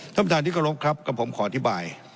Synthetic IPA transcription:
t̪ʰa˥˩p̪ːʰaː˧˦t̪iː˥˩kʰa˥˧ɾo˦˥p̚kʰɾa˦˥p̚kɔ˨˧˩pʰːo˩˦mkʰɔː˨˩˦a˧t̪ʰi˦˥baː˨˩j

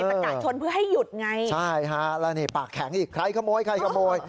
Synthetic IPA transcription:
ɤːa˧˩˧kaː˨˧˩t͡ɕʰo˧npʰɯ˥˩ɐɦa˥˩jːu˨˩t̪̚ŋa˧jt͡ɕʰa˥˩jkʰa˦˥lɛː˦˥niː˥˩paː˨˩kʰːɛ˩˦ŋʔiː˨˩kʰɾa˧jkʰa˧moː˧jkʰɾa˧˩jkʰa˧˩moː˧j

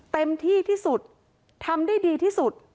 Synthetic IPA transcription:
t̪e˧mt̪ʰiː˥˩t̪ʰiː˥˩su˨˩t̪̚ | t̪ʰa˧mdaː˥˩jdiː˧t̪ʰiː˥˩su˨˩t̪̚

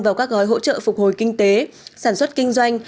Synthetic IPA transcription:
vaː˨˩wkaː˦˥k̚ɣɔː˨˦jɦo̰˧˥t͡ɕə̰ː˧˨fʊ˨˩k͡p̚ho˨˩jkï˧ŋ̟t̪e˨˦saː˧˩nswə˦˥t̚kï˧ŋ̟zwa˧jŋ̟

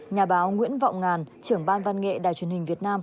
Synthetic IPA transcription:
ɲaː˨˩ɓaː˨˦wŋwḭ˧˥ənva̰˧˨wŋ͡mŋaː˨˩nt͡ɕɨ˧˩əŋɓaː˧nva˧nŋḛ˧˨ɗa̰ː˧˨jt͡ɕwi˨˩ənhï˨˩ŋ̟vi˨˩ət̚naː˧m

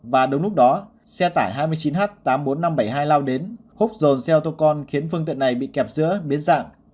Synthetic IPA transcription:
vaː˨˩ɗə˨˦wŋ͡mlʊ˦˥k͡p̚ɗɔ˨˦ | sɛ˧t̪aː˧˩jɦaː˧jmɨ˧əjt͡ɕi˨˦nɦaː˦˥t̚t̪aː˨˦mɓo˨˦nːa˧mɓə˧˩jɦaː˧jlaː˧wɗe˨˦n | hʊ˦˥k͡p̚zo˨˩nsɛ˧wt̪o˧kɔ˧nxi˨˦ənfɨ˧əŋt̪ḭ˧˨əna˨˩jɓḭ˧˨kɛ˨˩p̚zɨ̰˧˥əɓi˨˦ənza̰ː˧˨ŋ

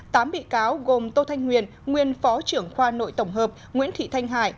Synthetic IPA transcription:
t̪aː˨˦mɓḭ˧˨kaː˨˦wɣo˨˩mt̪o˧t̪ʰa˧jŋ̟hwi˨˩ən | ŋwi˧˩ənfɔ˨˦t͡ɕɨ˧˩əŋxwaː˧no̰˧˨jt̪ə˧˩wŋ͡mɦəː˨˩p̚ŋwḭ˧˥ənt̪ʰḭ˧˨t̪ʰa˧jŋ̟ɦa̰ː˧˨j

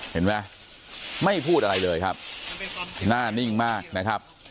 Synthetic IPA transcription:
he˩˦nma˦˥ | ma˥˩jpʰuː˥˩t̪̚ʔa˧ɾa˧jlɤː˧jkʰa˦˥p̚ | naː˥˩ni˥˩ŋmaː˥˩k̚na˦˥kʰɾa˦˥p̚

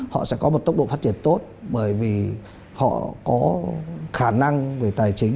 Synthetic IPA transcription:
hɔ̰˧˨sɛ̰˧˥kɔ˨˦mo˨˩t̪̚ə˦˥k͡p̚ɗo̰˧˨fa˦˥t̚t͡ɕi˧˩ənt̪o˦˥t̚ɓəː˧˩jvi˨˩ | hɔ̰˧˨kɔ˨˦xaː˧˩na˧ŋve˧˨˩t̪aː˨˩jt͡ɕï˨˦ŋ̟

